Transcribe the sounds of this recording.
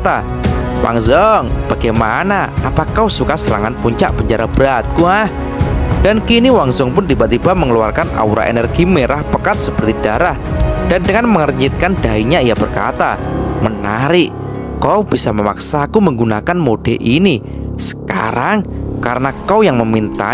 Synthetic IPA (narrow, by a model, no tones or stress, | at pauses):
t̪a | wa̰ŋzɔŋb̥aɡ̥ajmanaapakausukasəɾa̰ŋanpuɲt͡ʃa̰ʔb̥əɲt͡ʃaɾabəɾat̪̚kuah | d̥ankiniwaŋzɔŋpʊnt̪ibaʔt̪ibaʔməŋəlua̰rkana̰uɾa̰ʔḛnərɡimeɾahpəkat̪̚səpərt̪id̥aɾahd̥andəŋanməŋərɲɪt̪̚kandaiɲaijabərka̰t̪amənaɾɪʔ | kaub̥isaməma̰ksakuməŋɡunakanmod̥ɛʔini | sə̥ka̰ɾaŋkaɾənakawjaŋməmint̪a̰